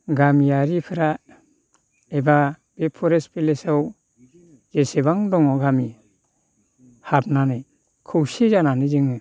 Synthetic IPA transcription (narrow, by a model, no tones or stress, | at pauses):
ɡamijaɾipʰɯɾa | eba | b̥epʰɔɾespilesaw | zeseβaŋdɔŋɔɡami | hab̚nane | kʰɯwsizananɯzɯŋɯ